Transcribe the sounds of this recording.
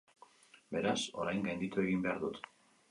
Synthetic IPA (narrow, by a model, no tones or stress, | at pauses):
be̞ɾaso̞̰ɾajŋɡajnd̪it̪ue̞ɣimbe̞aɾðut̪